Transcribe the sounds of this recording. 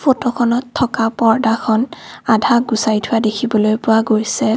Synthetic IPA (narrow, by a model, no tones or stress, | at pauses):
fʰotɔkʰɔnɔtʰːɔkapɔɹdakʰɔnadʱaɡusajtʰʊwadekʰibɔlojpʊwaɡojsɛ